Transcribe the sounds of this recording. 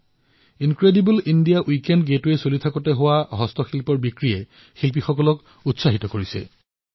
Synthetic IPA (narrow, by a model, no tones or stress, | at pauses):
inkɹedibulindijaʔwikendɡetuesolitʰakɔtɛɦowaɦɔstɔxilpɔɹbikɹiɛ | xilp̬ixɔkɔlɔk | utsaɦitɔkoɹisɛ̰